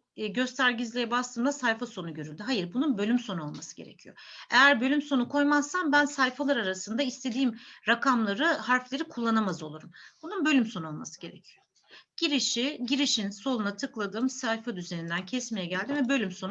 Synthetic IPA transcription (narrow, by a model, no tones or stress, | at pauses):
ɟø̞st̪ʰæɾɟizlʲejɛbast̪ʰɯːmd̪ˠasajfaso̞nuɟøɾylʲd̪yɦajiɾbununbølʲymso̞nuo̞lˠmasɯɟe̞̰ɾḛcʰijo̞̰e̞jæɾbø̞lʲymso̞nukʰo̞jmaz̥sanbænsajfalˠaɾaɾasɯnd̪aist̪ʰe̞d̪iːmɾakʰamlˠaɾɯhaɾflʲe̞ɾikʰulˠːanamazo̞lˠuɾumbununbø̞lʲymso̞nuolˠmasɯ̥ɟe̞ɾḛcʰijo | ɟ̥iɾiʃiɟiɾiʃinso̞lˠunat̪ʰɯklˠad̪ɯːmsajfad̪yze̞nind̪æncʰɛsmejɛɟælʲd̪imvɛbølʲymso̞n